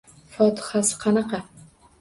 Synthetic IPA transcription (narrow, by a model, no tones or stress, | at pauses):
fɒt̪ʰɪ̥hasɪ̥qʰɑnɑqɑ